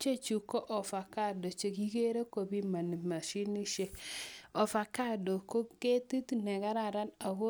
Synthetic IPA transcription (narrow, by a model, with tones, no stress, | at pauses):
t͡ʃe˦˨t͡ʃu˨kɔ˦ʔɔ˨fa˨ka˦˨do˨t͡ʃe˨ki˦ke˦ɾe˦ko˨bi˦ma˨ni˨ma˨ʃi˦ni˦ʃe˦ɔ˨fa˨ka˦˨do˨ko˦ke˦ti˦tnɛ˨ka˦ɾa˦˨ɾa˦na˨ko˦